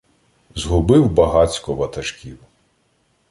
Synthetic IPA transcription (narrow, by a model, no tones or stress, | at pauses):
zɦʊbɪwbɐɦɑt͡sʲkɔʋɐt̪ɐʒkʲiw